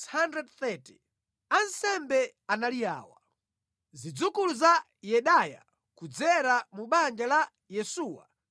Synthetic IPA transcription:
handɾɛdθɛti̥ | ansɛmbɛ | analija̰ːwa | zid͡zukuluza | jɛɗaja̰ | kud͡zɛɾamuɓand͡ʒala | jɛsuːwa̰

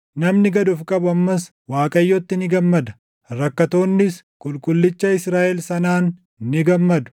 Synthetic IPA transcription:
nɐmnɪɡɐd̪ʊfkʼɐbʊɐmːɐs | waːkʼɐjːɔt̪ːɪnɪɡɐmːɐd̪ɐ̥ | ɾɐkːɐt̪oːnːɪs | kʼʊlkʼʊlːɪt͡ʃːɐɪsɾaːʔɛlsɐnaːnː | ɪɡɐmːɐd̪ʊ̥

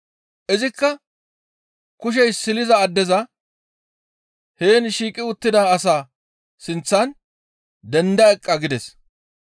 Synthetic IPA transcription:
ʔɪzɪkːɐ | kʊʃ̬ɛjsɪlɪzɐːd̪ːɛzɐ | heːnʃiːkʼɪʊt̪ːɪd̪ɐːsaː | sɪnt͡sːɐn | d̪ɛnd̪ɐɛkʼːɐɡɪd̪ɛs

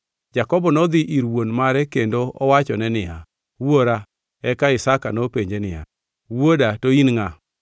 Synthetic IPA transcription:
d͡ʒakɔbɔnɔd̪ɪʔiɾwonmaɾɛkendoɔwat͡ʃɔnɛnɪja | woɾa | ɛkaɪsakanopeɲd͡ʒenɪja̰ | wodatoinŋa

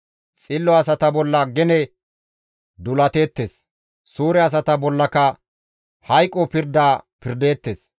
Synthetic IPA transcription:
t͡sʼɪlːɔɐsɐt̪ɐbɔlːɐɡɛnɛ | d̪ʊlɐt̪e̞ːt̪ːeːs | suːɾɛɐs̬ɐt̪ɐbɔlːɐkɐ | hɐjkʼːɔpɪɾd̪aːpɪɾd̪e̞ːt̪ːeːs

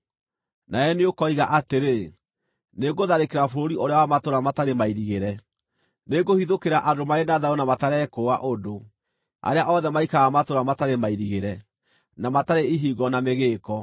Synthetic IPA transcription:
naɛneokɔiɣaʔateɾe | neɡoðaɾekeɾafoɾoɾiʔoɾeawamatoɾamataɾemaiɾiɣeɾɛ | neɡohiðokeɾaʔadomaenaðaonamataɾɛkoa̰ʔodo | a̰ɾeaʔɔðɛmaikaɣamatoɾamataɾemaiɾiɣeɾɛ | namataɾeiɦiɣɔnameɣeːkɔ

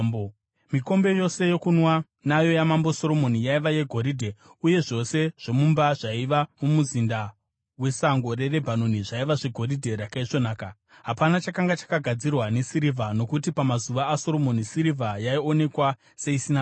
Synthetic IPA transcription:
miko̞mbe̞jo̞se̞jo̞kunwa | najo̞jamambo̞so̞ɾo̞mo̞nijaiʋaje̞ɡʱo̞ɾidʱe̞uje̞ʐo̞se̞ʐ̥o̞mumbaʐaiʋamomuzinda | we̞saŋɡo̞re̞re̞bʱanoniʐaiʋaʐe̞ɡʱo̞ɾidʱe̞ɾakaiʐo̞naːka | ɦapanat͡ʃakaŋɡat͡ʃḁkaɡʱad͡zirwane̞siɾivʱano̞kutipamazuʋaːso̞ɾo̞mo̞nisiɾivʱajaio̞ne̞kwa | se̞isina

